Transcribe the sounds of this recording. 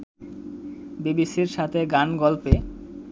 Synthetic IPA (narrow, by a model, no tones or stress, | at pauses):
bibisiɾʃat̪ʰeɡanɡɔlpe